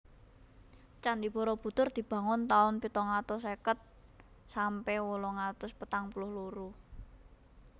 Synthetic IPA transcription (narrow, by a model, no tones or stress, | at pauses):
t͡ʃand̪ib̥ɔ̤ɾɔb̥ṳt̪ʊrd̪̥i̤b̥ä̤ŋʊnt̪aʊnpit̪ɔŋat̪ʊsekət̪̚ | sampɛwolɔŋat̪ʊspət̪aŋpulʊhluɾu